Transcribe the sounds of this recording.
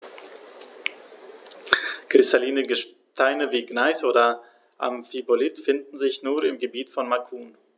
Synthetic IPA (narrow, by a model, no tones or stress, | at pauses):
kʁ̥ɪstʰaliːnəɡəʃ | tʰaɪnəviːɡnaɪsoːdɐ | ʔa̰mfibolɪtfɪndn̩zɪçnuːɐɪmɡəbiːtfɔnmakʰuːn